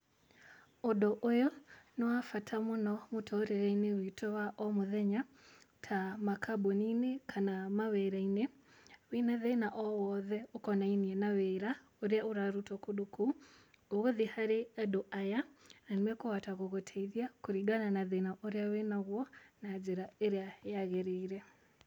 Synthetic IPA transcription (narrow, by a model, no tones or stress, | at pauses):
odɔʔojɔnɔwafatʰamonɔmotʰɔɾɛɾɛinewitʰɔwaʔɔmoðɛɲatʰamakʰaboninekʰanamawɛɾaine | winaðɛnaʔɔwɔðɛokɔnainiɛnawɛɾa | oɾeauɾaɾutɔkuɗukuː | ɣoðihaɾeɛdoʔajananwɛkowataɣoɣotʰeiðjakuɾiɡananaðenaʔoɾeawenaɣwɔnad͡ʒeɾaeɾeajaɣɛɾeiɾɛ